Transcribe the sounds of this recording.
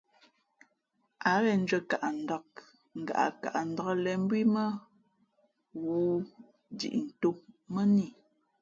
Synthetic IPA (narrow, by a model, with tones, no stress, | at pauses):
a˨ɣɛ˨n̩˦d͡ʒɥə˨ka˨ʔa˨n̩˨dɔ˨k̚ | ŋ̩˨ɡa̰˨ʔa̰˨ka̰˨ʔn̩˨dɔ˨˦ɣə˦lɛ˨m̩˦bwi˦mə˦ | wuː˨˦ | dḭ˨ʔn̩˨to˦mə˦ni˦˨